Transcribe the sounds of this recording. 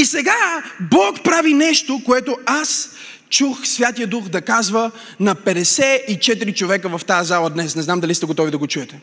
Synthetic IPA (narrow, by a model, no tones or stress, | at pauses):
isɛɡabɔkpɾavinɛʃt̪okoɛt̪oas | t͡ʃuxsvʲjat̪ijəd̪uxd̪ɐkazvə | nɐpɛd̪ɛsɛit͡ʃɛt̪iɾit͡ʃovɛkəvɐft̪aəzalˠəd̪nɛsnɛznamd̪ɐlist̪ɛɡot̪ɔvid̪ɐɡot͡ʃuɛt̪ɛ